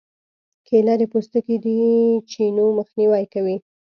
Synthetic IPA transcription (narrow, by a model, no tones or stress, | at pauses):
kʰelad̪epost̪əkid̪it͡ʃinoməxniwajkawi